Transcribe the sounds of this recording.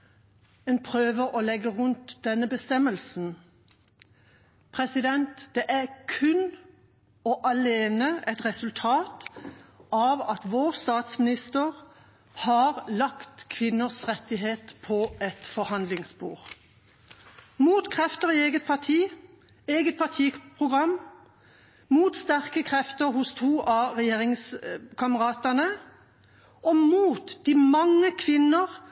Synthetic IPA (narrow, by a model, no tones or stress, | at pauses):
eːnpʰʁøːʋəʁɔlɛɡəʁʉnt̪d̪̥ɛnːəbəst̪ɛməlsn̩ | pʰʁɛsɪd̪ɛnt̪d̪̥ɛʔæʁkʰʉn | ɔʔɑleːnəʔɛt̪ʁɛsʉlt̪ʰɑːt̪ | ɑːʋɑt̪ʋoːʁst̪ɑːt̪smɪnɪst̪əʁ | hɑːʁlɑkt̪kʰʋɪnːəsʁɛt̪ːɪɦeːt̪pʰɔʔɛt̪fɔhɑnd̪lɪŋsbṵːʁ | muːt̪kʰʁɛft̪əʁɪeːɡət̪̚pʰɑʁt̪ʰiː | eːɡət̪̚pʰɑt̪ʰiːpʰʁʊɡʁɑm | muːt̪st̪æʁkəkʰʁɛft̪əʁhʊst̪ʰuːʔɑʁɛjeːʁɪŋskʰɑməʁɑːt̪ɑnə | ɔmuːt̪d̪imɑŋːəkʰʋɪnəʁ